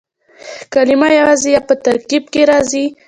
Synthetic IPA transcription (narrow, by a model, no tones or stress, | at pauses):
kalɪmɑjawɑzijɑpət̪aɾkib̚keɾɑzi